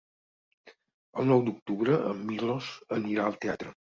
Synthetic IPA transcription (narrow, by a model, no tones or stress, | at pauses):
əlˠnɔwd̪uk̚t̪uβɾəʔəmːilozəniɾaəlˠt̪eat̪ɾə